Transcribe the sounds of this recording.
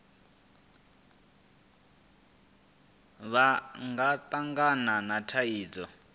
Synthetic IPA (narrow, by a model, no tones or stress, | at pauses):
βaŋɡat̪aŋɡananatʰaiːd͡zɔ